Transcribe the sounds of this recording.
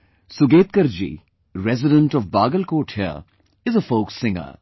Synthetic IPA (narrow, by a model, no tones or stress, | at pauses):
sʊɡeːt̪̚kəɾd͡ʒḭː | ɾɛzɪɖə̃ɳʈɔfbaːɡəlkoːʈʰjə̰ | ɪzəfoːksɪ̃ŋə̰